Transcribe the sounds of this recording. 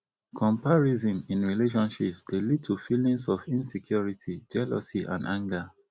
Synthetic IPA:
kʰɔ̃mpaɹizɔ̃mĩnɹileʃ̬ɔ̃nʃipsdelid̚tʰufilĩŋsɔfĩnsɛkʰjɔɹitʰid͡ʒɛlɔ̰siʔã̰ndãŋɡa

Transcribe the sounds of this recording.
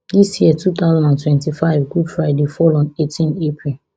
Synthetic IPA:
d̪isjiətʰut̪aʊzãndãntwɛ̃ntifaɪvɡudfɹaɪdefɔlɔ̃netʰĩnepʰɹil

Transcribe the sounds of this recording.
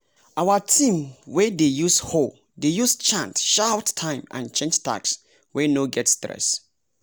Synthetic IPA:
ʔawatʰĩmwɛdejusho | dejust͡ʃʰãntʃaʊtʰãɪ̃mã̰nt͡ʃʰɛ̃nd͡ʒtʰa̰ks | wɛnoɡɛtstɹɛ̰s

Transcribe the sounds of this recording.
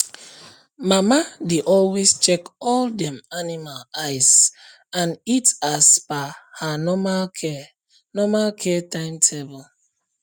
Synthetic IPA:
mamadeʔɔlwest͡ʃekɔldɛ̃manimalaɪs | ãnitasbahanɔmalɛ | nɔmalkʰɛtãɪ̃mtʰebɔl

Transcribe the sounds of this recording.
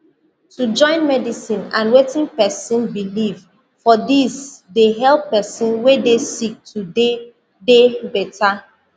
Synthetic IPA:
tud͡ʒɔ̃ɪ̃nmɛdisĩnãnwetĩŋpɛsĩnbiliv | fɔdisdeɦɛlˠpːɛsĩnwedesik̚tʰude | debɛtʰa

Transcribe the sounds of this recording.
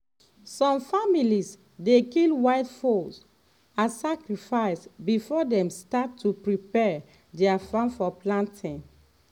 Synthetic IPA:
sɔ̃mfamilis | dekilwaɪtfos | ãsakɹifaɪsbifɔdɛ̃mstatʰːupɹipɛ | dɛafãnfɔplãntʰĩn

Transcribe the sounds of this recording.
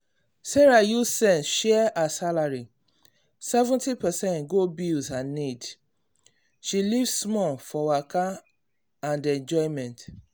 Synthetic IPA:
sɛɹajusɛ̃nʃɛasalaɹi | sɛvɛ̃ntipɛsɛ̃ntɡobizanid | ʃilivsmɔlfɔwaka | ãndɛ̃nd͡ʒɔɪ̃mɛ̃nt

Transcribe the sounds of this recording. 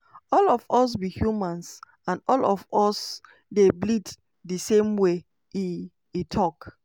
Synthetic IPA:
ɔlɔvɔs̬bihjumãns | ãnɔlɔvɔs | deblid | disẽmwe | iː | tʰɔk

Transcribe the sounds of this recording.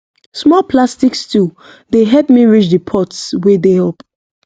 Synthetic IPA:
smɔpʰlastikstʰu | deɦɛpmiɹit͡ʃdipʰɔtswedehɛlp

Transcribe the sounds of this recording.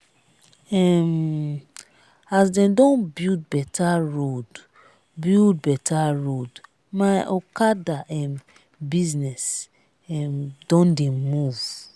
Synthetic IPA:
ɛm | asdɛ̃mdɔ̃nbild̚bɛtʰaɹod | bild̚bɛtʰaɹod | majʔɔkadaʔɛ̃n | biznɛs | ɛmdɔ̃ndemuv

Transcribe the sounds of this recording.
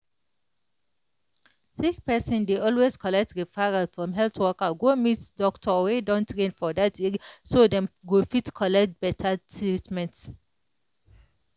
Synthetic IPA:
sik̚pɛsɔ̃ndeʔɔlweskʰɔlɛk̚tɹifaɹafɹɔ̃mɦɛlθwɔkəɡomitdɔktʰɔwedɔ̃ntʰɹẽnfɔdatisodɛ̃mɡofitkʰɔlɛk̚t̚bɛtʰatʰɹitmɛ̃nt

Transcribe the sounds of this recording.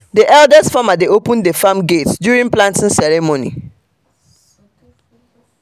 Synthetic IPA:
diʔɛldɛstfamadeopə̃ndefãmɡetdjuɹĩŋplãntĩnsɛɹɛmonḭ

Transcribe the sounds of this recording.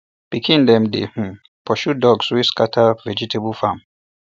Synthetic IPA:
pikʰĩndɛ̃mdḛh̩ | pʰɔʃudɔɡswiskatʰavɛd͡ʒiteblfãm

